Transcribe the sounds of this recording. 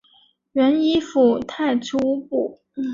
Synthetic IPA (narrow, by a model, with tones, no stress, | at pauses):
ɥə˧˥ni˥fu˨˩t̪ʰa˥˩ɪʈ͡ʂʰu˥pu˨˩˦